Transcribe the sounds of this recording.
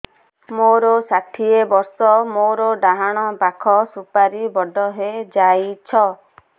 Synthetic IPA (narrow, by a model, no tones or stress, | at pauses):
moɾɔsaʈʰiebɔɾsɔmoɾɔɖaɦaɽ̃ɔbakʰɔsupaɾibɔɖʱɔɦed͡ʒajt͡ʃʰɔ